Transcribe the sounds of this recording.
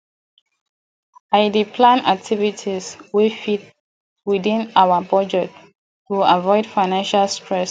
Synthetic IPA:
aɪdipʰlãna̰k̚tʰivitʰiswifit̚ | widĩnawəpɹɔd͡ʒɛk̚t | tːuavɔɪd̥faɪnãnʃalstʰɹɛs

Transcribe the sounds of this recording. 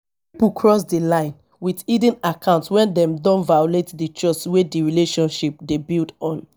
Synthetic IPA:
ppipukʰɹɔs̬dilãɪ̃n | witidĩnakʰãʊ̃ntwɛ̃ndɛ̃mdɔ̃nvajoletdit͡ʃɔt͡ʃwediɹileʃɔ̃nʃip̚debildɔ̃n

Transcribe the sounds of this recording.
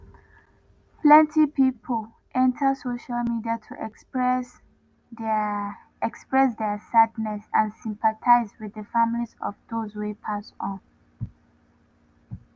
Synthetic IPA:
plɛ̃ntʰipipʰol | ʔɛ̃ntʰəsoʃalmidiatʰuʔɛ | ɛkspɹɛs̬dɛsadnɛsãnsĩmpatʰaɪzwɪðəfamlizɔ̰vðozwepʰasɔ̃n

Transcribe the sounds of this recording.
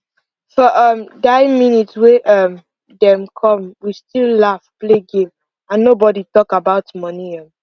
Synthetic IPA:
fɔʔʌmdaɪminitsweʔɔm | dɛ̃mkʰɔ̃mwistillafpleɡẽm | ãnːobɔditɔkabaʊtmɔniɔ̃m

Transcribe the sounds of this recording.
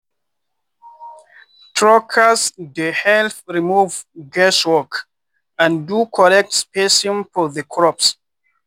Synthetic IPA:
tʰɹɔkʰasdəhɛlθɹimuvɡɛswɔk | ãndukʰɔlɛk̚tspesɔ̃nfɔðəkʰɹɔps

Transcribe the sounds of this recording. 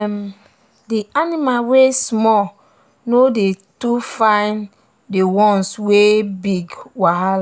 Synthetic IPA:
m | dianimawesmɔ | nodetufãɪn | dewɔ̃nswebiɡwaɦal

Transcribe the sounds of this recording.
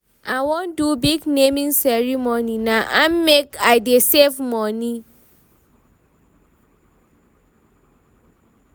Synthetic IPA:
awɔ̃ndubiɡnemĩnsɛɹimoninaʔammekaɪdesevmɔni

